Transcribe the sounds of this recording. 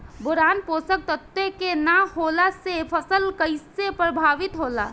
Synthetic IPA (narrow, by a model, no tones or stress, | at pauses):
bʊɾaːnpoːsək̚t̪ət̪ːekenahoːlasepʰəsəlkəisepɾəbʱaːʋɪt̪ɦoːla̰ː